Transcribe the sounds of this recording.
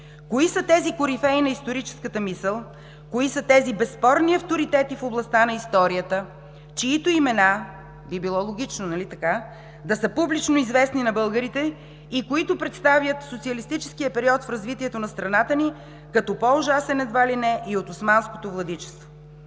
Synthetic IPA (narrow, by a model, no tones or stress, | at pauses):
koisət̪ɛzikʊɾifɛinɐist̪oɾit͡ʃɛ̥skət̪əmisəlˠ | koisət̪ɛzibɛspɔɾniɐft̪oɾit̪ɛt̪ifoblˠɐst̪anɐist̪ɔɾiət̪ə | t͡ʃiːt̪oimɛna | bibilˠɔlˠoɡ̟ʲit͡ʃnonɐlit̪ɐka | d̪ɐsəpublit͡ʃnoizvɛsninɐbɤlˠɡəɾit̪ɛ | ikoit̪ʊpɾɛt̪st̪avjət̪sot̪siəlist̪it͡ʃɛskijəpɛɾiɔt̪fɾɐzvit̪iɛt̪onɐst̪ɾɐnat̪əni | kɐt̪ɔpoʊʒasɛnɛd̪valinɛʔiot̪ʊsmansko̥t̪ovlˠɐd̪it͡ʃɛ̥st̪vo